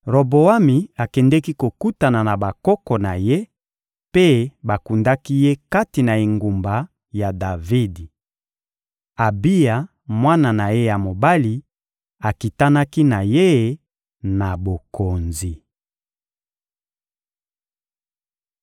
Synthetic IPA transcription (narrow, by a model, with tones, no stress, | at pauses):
ʁo˨bo˨a˦mi˨a˨kɛ˨ndɛ˦ki˦ko˨ku˦ta˨na˨na˨ba˨kɔ˦kɔ˨na˨je˦ | pe˦ba˨ku˨nda˦ki˦je˦ka˦ti˨na˨e˨ŋɡu˨mba˨ | ja˨da˨vi˦di˨ | a˨bi˦ja˨ | mwa˦na˨na˨je˦ja˨mo˨ba˦li˨ | a˨ki˨ta˦na˦ki˦na˨je˦˨ | na˨bo˨ko˨nzi˨